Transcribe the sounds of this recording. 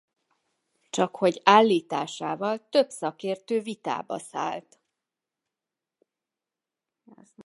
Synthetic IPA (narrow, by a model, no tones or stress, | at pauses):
t͡ʃɒkho̞ɟaːlːiːt̪aːʃaːvɒlt̪ø̞bsɒkeːrt̪øːvit̪a̰ːbɒ̰sa̰ːlt̪